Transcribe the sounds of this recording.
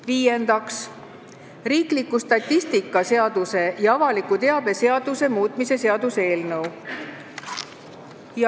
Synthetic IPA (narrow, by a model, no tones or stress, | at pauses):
viːje̞nd̪̥ɑks | riːklikːˑust̪ɑt̪ʲːˑist̪ikːˑɑse̞ɑd̪use̞jɑɑvɑlikːut̪e̞ɑb̥e̞se̞ɑd̪use̞muːt̪ˑmise̞se̞ɑd̪use̞ːlnɤw | jɑ